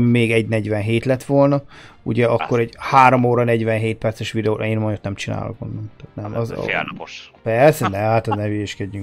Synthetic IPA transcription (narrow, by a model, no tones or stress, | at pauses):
meːɡɛɟnɛɟʋɛnɦeːt̪lɛt̪ʋolnɒṵɟɛɒkːo̞ɾɛɟhaːɾomoːɾɒnɛɟʋɛnɦeːt̪̚pɛrt̪sɛʃʋid̪ɛoʔeːnmonot̪nɛmt͡ʃina̰ːlo̰ko̰nːɒmt̪at̪nɛmɒz̰ | pɛrsɛnɛmhat̪ɒnɛveʃkɛɟy